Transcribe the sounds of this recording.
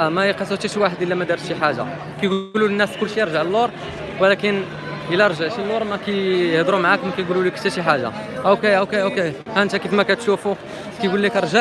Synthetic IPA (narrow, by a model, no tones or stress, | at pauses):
mæjqɑsˤət̪æʃwaħəd̪ʔəlːæmæd̪ɑɾsʃiħaʒa̰ | kæjɡlulənːæskʊlʃijəɾˤʒəʕəlːoɾˤ | wlækən | ʔəlːæɾˤʒəʕʃilːoɾˤmækæjjəhd̪ɾumʕakmækæjɡululikə̥t̪æʃiħaʒːa̰ | ʔokeʔokeʔoke | hænt̪ækət̪mækæt̪ʃufu | kæjɡulːikɾˤʒə